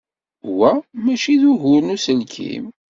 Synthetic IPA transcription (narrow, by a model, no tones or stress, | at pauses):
wæmæʃiðuɦʊɾnusəlkʰḭm